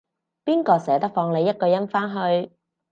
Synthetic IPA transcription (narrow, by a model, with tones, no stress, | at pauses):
piː˥nkɔː˧sɛː˨˥t̪ɐ˥k̚fɔː˧ŋle˨˧jːɐ˥t̚kɔː˧jɐ˥nfaː˥nɦɵ˧ɥ